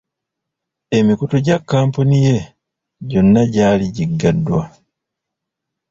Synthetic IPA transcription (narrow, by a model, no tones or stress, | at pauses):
e̞mikutoɟakːaːmpunije̞ | ɟo̞nːaɟaːliɟiɡːadːwa